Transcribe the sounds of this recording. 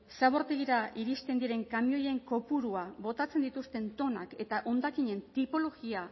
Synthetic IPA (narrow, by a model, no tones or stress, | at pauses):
saβo̞ɾt̪eɣiɾaʔiɾist̪e̞nd̪iɾe̞ŋkamio̞je̞ŋko̞puɾuaβo̞t̪at͡se̞nd̪it̪ust̪e̞nt̪o̞na̰ke̞t̪aʔo̞nd̪akiɲe̞nt̪ipo̞lo̞ɣia